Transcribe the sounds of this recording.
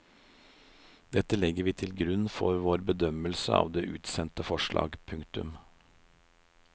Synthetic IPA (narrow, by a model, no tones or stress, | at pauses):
d̪ɛt̪əlɛɡəɾʋiːt̪ʰɪlɡɾʉnfɔ̰ɾʋoːɾbəd̪œməlsəɑ̰ːʋd̪eːʔʉːt̪sɛnt̪əfɔʃɭɑ̰ːɡpʰʉŋkt̪ʉ̰m